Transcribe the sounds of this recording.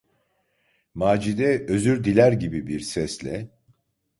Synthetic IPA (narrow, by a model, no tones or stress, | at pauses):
maːd͡ʒid̪ɛøzyɾd̪ilʲæɾɟibibiɾsɛslʲɛ